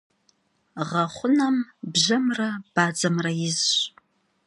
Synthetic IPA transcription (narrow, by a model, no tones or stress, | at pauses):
ʁɐχʷʊnɐmbʒɐmrab̥aːd͡zɐmrɐjɪzɕ